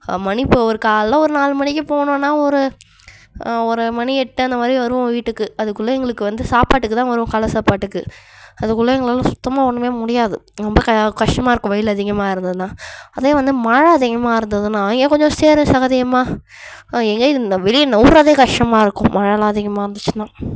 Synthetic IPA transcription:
mɐnɪpːɯɐɐɾɯkaːllɐ̃ɔɾɯnaːlɯmɐnɪkːɯpoːɳʊ̃nːaːɔɾɯ | ɔɾɯmɐniɛʈːɯɐnd̪ɐmaːd̪ɾiʋɐɾɯʋʊ̃ʋiːʈːɯkːɯɐðɯkːʊlːɐɛŋɡɐɭɯkːɯʋɐnd̪ɯsaːpaːʈːɯkːɯt̪ãːʋɐɾɯʋʊ̃kɐlɐsaːpaːʈːɯkːɯ | ɐðɯkːʊlːɐɛŋɡɐɭɐlːãːsʊt̪ːɐmaːɔɳːɯmeːmʊɽɪjaːðɯɾɔmbɐkɐkɐʈʂʈɐmaːɪɾɯkːʊ̃ʋɐjɪlɐðɪɣɐmaːɪɾɯnd̪ɐðɯnãːɐðeːʋɐnd̪ɯmɐɻɐɐðɪɣɐmaːɪɾɯnd̪ɐðɯnãːɛŋɡeːkɔɲd͡ʒɔ̃seːɾʊ̃sɐɣɐðɪjɐmaː | ɛŋɡeɪðnɐʋɛlɪjɐnɐuːɾɐðeːkɐʈʂʈɐmaːɪɾɯkːʊ̰̃mʔɐɻɐlaːðɪɣɐmaːɪɾɯnd̪ɯt͡ʃːɯ̥nːãː

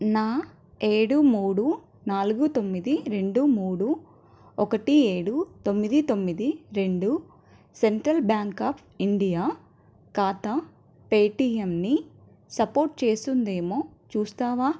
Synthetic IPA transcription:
naː | e̞ːɽumuːɽu | naːluɡut̪o̞mːid̪iɾe̞ɳɖumuːɽu | ɔkɐʈie̞ːɽut̪o̞mːid̪it̪o̞mːid̪iɾe̞ɳɖu | seɳʈɾɐlbjaːŋkaːpʰiɳɖijaː | kaːt̪ɐ | peːʈiːemni | sɐpo̞ːɾʈ̚t͡ʃe̞ːst̪und̪e̞ːmoːt͡ʃuːst̪aːʋaː

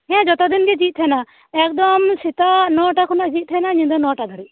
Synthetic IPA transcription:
ɛɛ̃d͡ʒɔt̪ɔd̪inɡɛd͡ʒit̪̚t̪ʰɛna | ɛk̚d̪ɔmsit̪anɔʈakʰɔnaʔd͡ʒit̪̚t̪ʰɛnaɲĩd̪ɔnɔʈad̪aɾi

